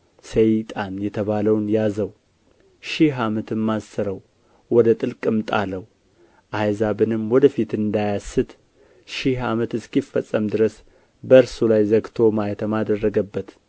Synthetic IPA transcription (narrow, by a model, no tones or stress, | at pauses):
səjt̪ʼanjɛt̪ʰəβaləwnjazəw | ʃɪɦamət̪ʰɨmːasəɾəw | wɔd̪ət̪ʼɨlkʼɨmt̪ʼa̰ləw | ʔajzabɨnɨmwɔd̪əfit̪ɨnd̪ajasːɨt̪ | ʃɪɦamət̪ɨskifːəsʼːəmd̪ɨɾəs | bəɨɾsulajzəɡt̪ʰo̞majt̪ʰəmad̪ərːəɡəbːət̪